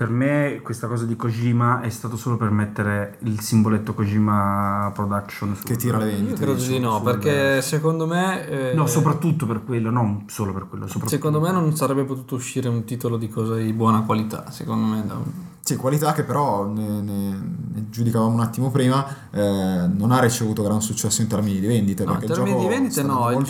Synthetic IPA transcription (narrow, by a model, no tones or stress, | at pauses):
permekwest̪akɔːzad̪ikod͡ʒiːmaɛst̪aːt̪osoːlopermet̪ːeɾeilsimbolet̪ːokod͡ʒiːmapɾod̪akʃonfket̪ːiːɾalevend̪it̪kɾeːd̪od̪inɔpperk̪esekond̪omenɔsopɾat̪ːut̪ːoperkwelːononsoːloperkwelːosopɾsekkond̪omenonsaɾɛbːepot̪uːt̪ouʃːiːɾeunt̪iːt̪olod̪ikɔːzad̪ibwɔːnakwalit̪a̰sekond̪omed̪a̰ | sikwalit̪ak̟ːepːeɾɔnenened͡ʒud̪ikavaːmounat̪ːimopɾiːma | nonarːit͡ʃevuːt̪oɡɾansut͡ʃːɛsːoint̪ɛɾminid̪ivɛnd̪it̪epeɾkɛt̪d͡ʒɔminkd̪ivend̪it̪enɔ